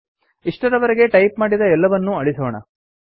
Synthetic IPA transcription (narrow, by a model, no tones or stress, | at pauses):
iʂʈɐɾɐʋɐɾeɡe̞ʈɐjp̚maːɽid̪ɐɛlːɐʋɐnːuɐɭisoːɳɐ̰